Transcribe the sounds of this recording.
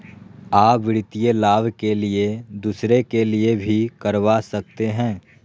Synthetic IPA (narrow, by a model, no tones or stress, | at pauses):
aːpʋɪɾɪt̪ijelaːbkelied̪uːsɾekeliebʱikɐɾʋasɐk̚t̪eɦɛ̃ː